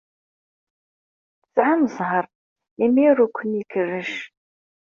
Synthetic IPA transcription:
θət͡sʕaməzˤɦəɾˤ | imiɾukʷʰːənikʰərːəʃ

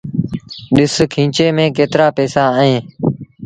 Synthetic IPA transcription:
ɗɪskʰĩːt͡ʃeːmẽːkeːt̪ɾaːpɛːsaːəẽː

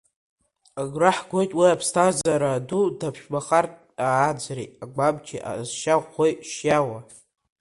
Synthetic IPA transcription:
aɡraħɡʷo̞jtʼwiapʰstʰazaɾadudapʰʃᶣbaχartʼ | aːd͡zrejtʼaɡ͡babd͡ʒʲiʔa̰zʃaʁʷojʃjawa

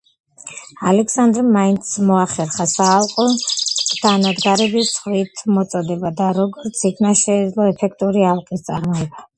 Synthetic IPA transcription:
alɛkʰsand̪ɾmaint̪smɔaχɛɾχasaːlˠqʼɔd̪̥ʰanad̪ɡaɾɛbist̪sʰχwit̪ʰmɔt̪sʼɔd̪ɛbad̪aɾɔɡɔɾt̪sʰikʰnaʃɛːd̪zlˠɔɛpʰɛk̚ʰt̪ʼuɾialˠqʼist̪sʼaɾmɔɛba

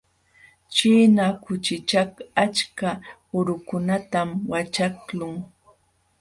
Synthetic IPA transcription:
t͡ʃiːnakʊt͡ʃɪt͡ʃakat͡ʃka | ʊɾʊkʊnat̪amwat͡ʃaklʊŋ

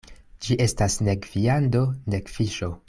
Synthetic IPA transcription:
d͡ʒiʔe̞stasne̞ɡviando̞ne̞kfiʃo̞

